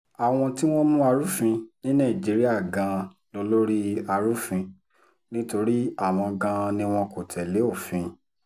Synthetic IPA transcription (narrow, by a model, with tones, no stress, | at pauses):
a˨w̃ɔ̃˧ti˦w̃ɔ̃˦mũ˦a˧ɾu˦fĩ˧nĩ˦nã˦˨d͡ʒi˨˦ɾi˦a˦˨ɡã˧ | lo˧lo˦ɾi˦a˧ɾu˦fĩ˧ | nĩ˦to˧ɾi˦a˦˨w̃ɔ̃˧ɡã˧nĩ˦w̃ɔ̃˧ko˨tʰɛ˨le˨˦o˦˨fĩ˧